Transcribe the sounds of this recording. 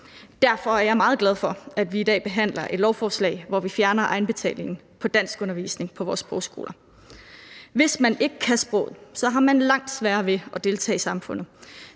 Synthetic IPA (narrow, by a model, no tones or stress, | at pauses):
d̥æɐfɒ̽æɐjɑɪmɑ̈ːð̩ˠɡ̥læð̞ˠfɒ̽æd̥ʋiːd̥ɛ̰ːb̥e̝ɦæn̰lɐʔe̝d̥lɒʊfɒːslɛ̰ɪʋɒʋifjæɐnɐʔɑ̈ɪn̩b̥e̝t͡sʰɛ̰ːle̝ŋn̩ | pʰɒ̽d̥æn̰sɡ̥ɔ̽nɐʋḭːsne̝ŋpʰɒ̽ʋɒ̰ːsb̥ʁɔʊsɡ̥o̝ːlɐ | ʋe̝smæne̝ɡ̥əkʰæsb̥ʁɔ̰ːð̩ˠsɒ̽ɦɑ̈mænlɑ̈ŋ̰d̥sʋæːɐʋe̝ɒ̽d̥e̝lt͡sʰɛ̰ːsɑ̈mfɔ̽n̰ð̩ˠ